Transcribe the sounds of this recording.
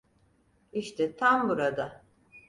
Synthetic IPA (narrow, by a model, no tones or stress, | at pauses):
iʃt̪ʰɛt̪ʰambuɾad̪a